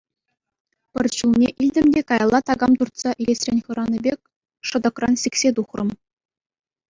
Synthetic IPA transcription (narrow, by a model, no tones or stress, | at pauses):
pʲɘ̆rʲɕulˠnʲeʔilʲdʲɘ̆mdʲekɑjlˠːɑt̪ɑɡɑmt̪urt̪sɑʔilʲesʲrʲenʲχɤ̆ɾɑnʲɤbʲekʲ | ʂɤ̆d̪ɤ̆krɑnɕiksʲet̪uχrɤ̰̆m